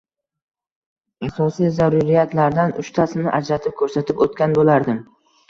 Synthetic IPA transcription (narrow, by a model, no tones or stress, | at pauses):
asɒsijzaɾʊɾɪjat̪ʰlaɾd̪anʊ̰ʃt̪ʰasɪnɪ̰ʔad͡ʒɾat̪ʰɪp̚kʰɵɾsat̪ʰɪpot̪kʲanbolaɾd̪ɪm